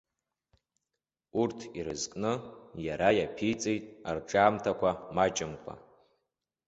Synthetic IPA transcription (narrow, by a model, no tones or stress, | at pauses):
urtʰiɾɨ̰zkʼnɨjaɾajapʰijt͡sʼejtʼarʈ͡ʂʼaːmtʰakʷʰamat͡ʃʼɪmkʷʰʼa̰